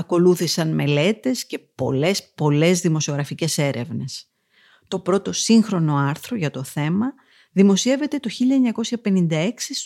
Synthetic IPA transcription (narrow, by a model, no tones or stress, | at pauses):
ɐko̞luθisɐnme̞le̞t̪e̞sce̞po̞̰le̞spo̞le̞zðimo̞sio̞ɣɾɐfice̞se̞ɾʔe̞vne̞s | t̪o̞pɾo̞t̪o̞siŋxɾo̞no̞ɐɾθɾoʝɐt̪o̞θe̞mɐ | ðimo̞sie̞ve̞t̪e̞t̪o̞çiʎɐeɲɐko̞sçɐpe̞nind̪ɐe̞ksi